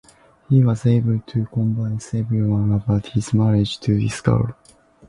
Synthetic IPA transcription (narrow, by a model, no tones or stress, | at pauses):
hiwʌzeɪbəlt̪ʰɨkɔ̃mbãɪ̃nsevɾiwãnəbaʊt̪hizmæɾed͡ʒt̪ʰɨd̪iskʌ̰əɾ